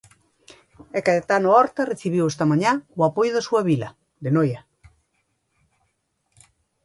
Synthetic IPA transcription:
ekaðet̪anoɔɾt̪areθiβiwest̪ɐmaɲawapojʊðasuaβilɐ | d̪enoja

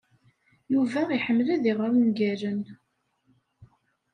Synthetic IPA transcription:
juvæiħəmːlæðiʁəɾnɡæɾən

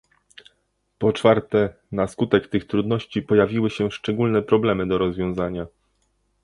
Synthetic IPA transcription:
pɔt͡ʂfaɾt̪ɛ | naskut̪ɛkt̪ɘxt̪ɾud̪nɔɕt͡ɕipɔjavʲiwɘɕɛʂt͡ʂɛɡulnɛpɾɔblɛmɘd̪ɔɾɔzvʲjɔ̃w̃zaɲa

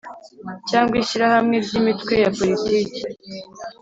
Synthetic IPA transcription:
caːŋɡwiʃiɾahamŋe̞ɾɟiːmitwe̞japo̞litiːci̥

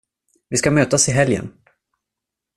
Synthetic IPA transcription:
vɪskamøːt̪asɪɦɛljə̰n

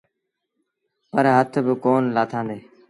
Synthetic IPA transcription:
pəɾɦət̪ʰbɪkoːnlaːt̪ʰãːnd̪eː

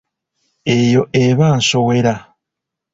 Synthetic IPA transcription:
e̞ːjo̞ʔeβaːnso̞we̞ɾa

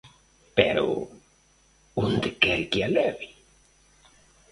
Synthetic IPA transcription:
pḛɾo̰ | und̪ekeɾkialeβi

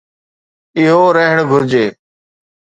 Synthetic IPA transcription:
ɪɦoːɾəɦɳɡʱʊɾd͡ʑeː

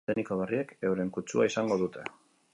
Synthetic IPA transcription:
enikoβ̞erieke̞wɾe̞ŋkut͡ʃuaisaŋɡo̞ð̞ut̪ʰe̞

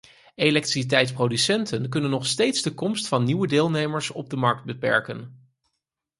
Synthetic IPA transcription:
ejlɛktrisit̬ɛjtsprowdysɛntənkɵnənːɔχstejtzdəkɔmstfɑnːiwədɪːlˠnejməɹsɔ̰b̚dəmɑɹk̚d̚bəpɛ̰ɹkən

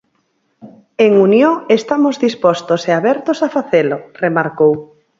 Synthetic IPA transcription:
eŋunjoest̪amozðispɔst̪oseaβɛɾt̪osafaθeloremaɾkow

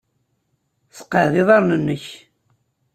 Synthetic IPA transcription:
sə̥qːəðiðˤɑɾˤnənːəç

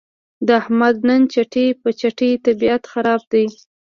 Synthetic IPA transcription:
d̪əahmad̪̚nənt͡ʃaʈepət͡ʃaʈet̪abiat̪xaɾɑb̚d̪aj

